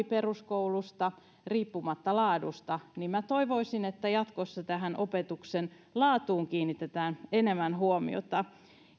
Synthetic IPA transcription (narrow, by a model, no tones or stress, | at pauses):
iperuskoulust̪ɑ | riːpːumɑt̪ːɑlɑːdust̪ɑnimmæt̪oiʋoisinet̪ːæjɑt̪kosːɑt̪æɦænʔopet̪uksen | lɑːt̪uːŋkiːnːit̪et̪æːnenemænhuomḭo̰t̪ɑ